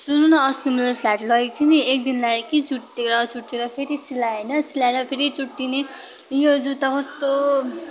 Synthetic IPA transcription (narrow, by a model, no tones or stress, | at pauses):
sununʌːsumlapʰlaʈlʌik̚t͡sʰiniek̚d̪inlakit͡suʈːeɾʌt͡suʈːeɾʌpʰeɾisilaenʌsilaeɾʌpʰeɾit͡suʈːine | jod͡zut̪ʌkʌst̪o